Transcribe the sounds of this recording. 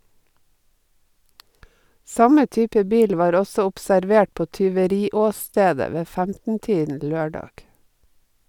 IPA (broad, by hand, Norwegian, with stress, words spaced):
ˈsɑmə ˈtyːpə ˈbiːl ˈʋɑːɾ ˈɔsɔ ʊpsæɾˈʋeːʈ ˈpoː tʏʋəˈɾiːɔˌsteːdə ˈʋeː ˈfæmtn̩ ˈtiːdn̩ ˈløːɖɑɡ